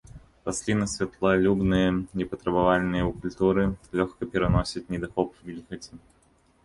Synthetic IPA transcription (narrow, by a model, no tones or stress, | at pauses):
p̪ɐsʲlʲinɐsʲvʲɪt̪lˠalʲubnɨjənʲɪpət̪ɾɐbɐvalʲnɨjəʊkʊlʲt̪uɾɨlʲɔxkəpʲɪɾɐnosʲɪt̪̚ʲnʲɪd̪ɐxɔpvvʲilʲxɐtʲɪ